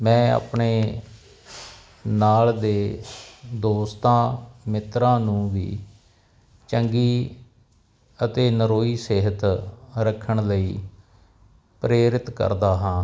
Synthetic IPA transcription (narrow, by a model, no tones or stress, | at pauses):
mɛ̃ːa̰ːpɳeː | naːld̪eː | d̪oːst̪ãːmɪt̪ɾãːnũːʋḭː | t͡ʃəŋɡiː | ət̪eːnəɾoːiːseːɦət̪ɾəkʰːəɳləiː | pɾeːɾɪt̪kə̰ɾd̪aːɦãː